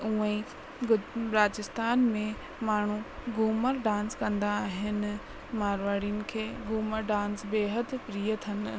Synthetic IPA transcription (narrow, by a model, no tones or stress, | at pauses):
ũːẽ | ɡbɾaːt͡ɕɪst̪aːnmẽ | maːɳ̤uɡuːməɾɖãːnskɐ̃nd̪aːɦɪnɪ̆ | maːɾʋaːɽiʊnɪ̆kʰeːɡuːməɾɖãːnsbeːɦəd̪pɾiːət̪ʰɐn̆